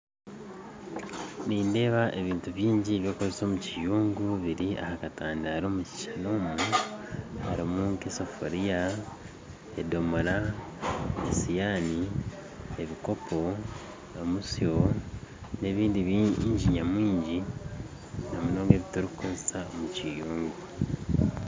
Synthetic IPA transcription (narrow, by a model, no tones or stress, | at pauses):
niːnde̞ːβaʔe̞βiːntuβjiːɲɟiβjo̞ːkozeso̞ːmucijuːŋɡuβiɾia̰hakataːndahaɾoːmuci̥ʃano̞ːmu | haɾimukeso̞fo̰ɾija | edo̞moɾa | esijaːni | eβiko̞po̞ | omusio̞ | ne̞βiːndiβɲɟiɲamwiːɲɟi | nomunoːŋɡeβitoɾukuːnzi̥saomucijuːŋɡu